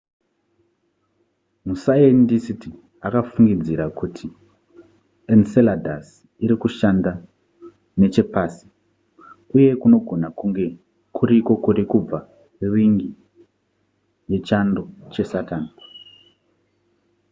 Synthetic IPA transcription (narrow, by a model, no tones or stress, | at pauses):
musaendisiti | akafuŋɡid͡ziɾakutʰi | enseladʱa̰s | iɾikuʃanda | ne̞t͡ʃe̞paːsi̥ | uje̞kuno̞ɡʱo̞nakuŋɡe̞ | kʰuɾiko̞kuɾikub͡va | kuriŋɡi | je̞t͡ʃandot͡ʃe̞sataːn